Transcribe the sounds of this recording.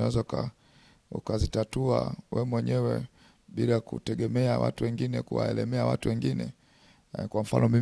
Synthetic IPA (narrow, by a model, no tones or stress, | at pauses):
awɛzauka̰ | ukazitatua̰wɛmwɛɲɛwɛ | ɓilakutɛɡɛmɛawa̰tuwɛŋɡinɛkuwa̰ɛlɛmɛawa̰tuwɛŋɡinɛ | kwam̩fa̰nɔmi